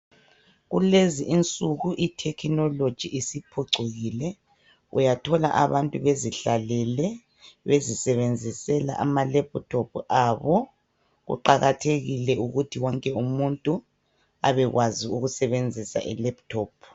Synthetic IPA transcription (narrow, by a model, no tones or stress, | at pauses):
ɣuleziʔint͡sʼuɣuʔitʰɛkʰinɔlod̥ʒ̥ʱiʔisipʰɔǀʱoɣilɛ | ṵjatʰɔla̰ʔaβantʼuβeziɬalɛlɛ | βezisɛβend͡zʱisɛla̰ʔamalɛp̚tʰopʰʔaβɔ | ɣṵǃaɣatʰeɣilɛuɣutʰiwɔŋkʼɛumuntʼu | a̰βɛɣwaziuɣusɛβend͡zʱisa̰ʔḭlɛptʰɔːpʰ